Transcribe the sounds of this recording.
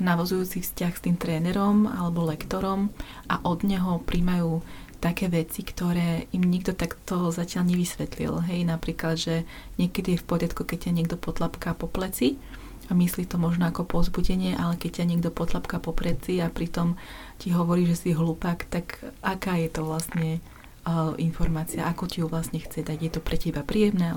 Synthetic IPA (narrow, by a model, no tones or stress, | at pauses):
naʋɔzujuːt͡sifscaxst̪iːmt̪ɾɛːnɛɾɔma̰lɛbɔlɛkt̪ɔɾɔmʔaʔɔd̪ɲɛɦɔpɾimajuː | t̪akɛːʋɛt͡sikt̪ɔɾɛːimɲiɡd̪ɔt̪akt̪ɔzacɪaʎɲɛʋisʋɛt̪lḭlɦɛjnapɾiːklad̪ʒɛ | ɲɪɛkɛd̪ijɛfpɔɾɪat̪kukɛc̚caɲɪɛɡd̪ɔpɔt̪lapkaːpɔplɛt͡si | amislit̪ɔmɔʒnɔakɔpɔzbuɟɛɲɪɛʔalɛkɛc̚cːaɲɪɛɡd̪ɔpɔt̪lapkaːpɔplɛt͡siapɾit̪ɔm | ciɦɔʋɔɾiːʒɛsiɦluːpakt̪akakaːjɛt̪ɔʋlasɲɛ | ʔinfɔɾmaːt͡siaʔakɔcijuʋlasɲɛxt͡sɛd̪aɟjɛt̪ɔpɾɛcɛibapɾiːjɛmnɛː